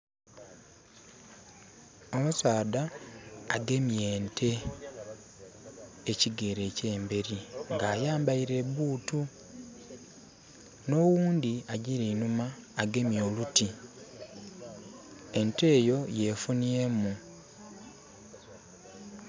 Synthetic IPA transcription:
omusaːdaː | ɡe̞mje̞ːntʰe̞ | ciɡeɾe̞ce̞ːmbe̞ɾiŋɡaːjaːmbaiɾe̞βuːtu | no̞wuːndiaɟiɾeinumaː | ɡe̞mjo̞ːluti | e̞nte̞ːjo̞je̞funiemu

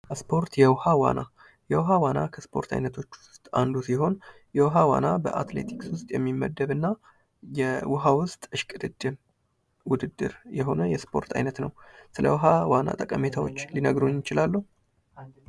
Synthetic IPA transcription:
spʰo̞ɾt̪jɛwhawa̰na | jɛwɦawanakʰəspʰo̞ɾt̪ʰa̰jnət̪ʰo̞t͡ʃːwʊʊst̪ʼa̰nd̪usiɦo̞n | jɛwɦawa̰nabə̰ʔat̪le̞̰t̪ʰikswʊst̪ʼjɛmːimːəd̪ːəβɨnːa | jɛwʊɦawʊst̪ʼɨʃkʼɨd̪ɨd̪ʼːɨm | wʊd̪ɨd̪ːɨ̰ɾjɛɦo̞nəjɛspʰo̞ɾt̪ʰa̰jnət̪nəwsɨlə̰wʊɦawana̰t̪ʼəkʼəmet̪ʰawot͡ʃːlinəɡɾuɲɪt͡ʃɪlalːuh

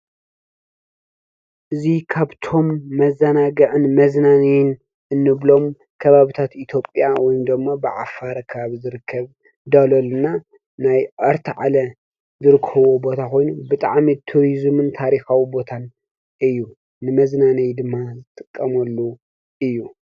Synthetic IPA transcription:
ʔɨzikʰaβt̪ʰo̞mːɐzɐnaɡɐʕɨnmɐznanijn | ɨnːɨβlo̞m | kʰɐβaβit̪ʰat̪it̪ʰjo̞pʼjawɔjmd̪ɨmːabɨʕa̰faɾɐkʰɐβaβizɨɾɨkʰːɐβ | d̪ɐlolɨna | najʔɐɾt̪ʰɨʕa̰lɐ | zɨɾɨkʰːɐβobo̞t̪ʰakʰo̞jnubɨt̪ʼa̰ʕmit̪ʰuɾizmɨnt̪ʰaɾixawibo̞t̪ʰan | ɨjːu | nɨmɐznanijd̪ɨmːazɨt̪ʼɨkʼːɐmɐlːu | ʔɨjːu

